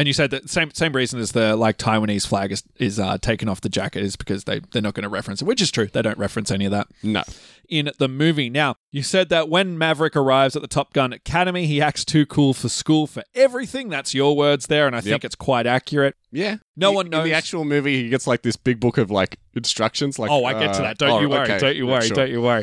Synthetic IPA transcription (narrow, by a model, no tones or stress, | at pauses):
ɨ̃njɨsɛd̪̚ðɨt̚ðsẽɪ̃msẽɪ̃mɹizɨ̃nɨzðɨlaɪk̚tʰaɪwɨ̃niz̥flæɡɨz̥ɪzʌ̰tʰeɪkɨ̃ŋɔfðɨd͡ʒæ̰kɨɾɨzbɨkʰʌzðeɪðə˞nət̚ɡ̥ʌnəɹɛfɹɨ̃nswɨt͡ʃɨz̥tʰɹ̥ʉðeɪɾõʊ̃nʔɹɛfɹɨ̃nsɛñiʌvðæt̚no̰ʊ | ɪ̃nðəmʉvinaʊjɨ̥sɛd̪̚ðɨt̚wɨ̃nmævɹɨkə˞aɪvzɨt̪̚ðətʰɑp̚ɡ̥ʌ̃nɨkʰæɾɨmiiæk̚tstʰʉkʰulˠfə˞skulˠfə˞ɛvɹiθɪ̃ŋðætsjə˞wɜ˞dzðə˞ɨ̃naɪjɪ̃ŋkɨtskʰw̥aɪɾækjə˞ɨt̚jæ | noʊwʌ̃nñːoʊðiæk̚t͡ʃul̩ˠmʉviiɡɛtslaɪk̚ðɪsb̥ɪɡ̚bʊkʌvlaɪk | ɨ̃nstɹ̥ʌkʃɨ̃nzlaɪoʊaɪɡɛtʰɨðɨ̰t̚d̥õʊ̃nt͡ʃɨwɜɹidõʊ̃nt͡ʃɨwɜɹiõʊ̃nt͡ʃɨwɜɹi